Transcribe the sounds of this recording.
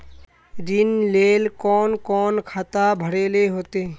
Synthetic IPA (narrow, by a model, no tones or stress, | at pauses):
ɾɪnleːlkɔːnkɔːnkʰaːt̪abʱəɽeːleɦoːt̪eː